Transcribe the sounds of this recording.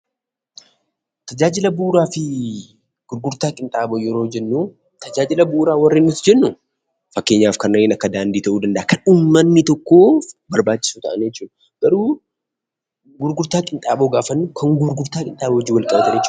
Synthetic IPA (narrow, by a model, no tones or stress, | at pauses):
t̪ɐd͡ʒaːd͡ʒɪlɐbuːɾaːfɪ | ɡ̥ʊɾɡʊɾt̪aːkʼɪnt̪ʼaːboːjɛɾo̞ːd͡ʒɛnːuː | t̪ʰɐd͡ʒaːd͡ʒɪlɐbuɾaːwɐrːeːnːʊt̪d͡ʒɛnːʊ | fɐkːe̞ːɲːaːfkɐnːɐeːnɐkːɐd̪aːnd̪iːt̪ɐʔuːd̪ɐnd̪ɐʔakʰɐnʊmːɐnːɪt̪ɔkːo̞ːbɐɾbaːt͡ʃːɪsuːt̪ɐʔɐnjɛt͡ʃːuːd̪ɐ | ɡ̥ɐɾuː | ɡʊɾɡʊɾt̪aːkʼɪnt̪ʼaːboːɡaːfɐnːʊkʰɐŋɡʊɾɡʊɾt̪aːkʼɪnt̪ʼaːbɔd͡ʒɪːwɐlkʼɐbɐt̪ɐɾjɛt͡ʃː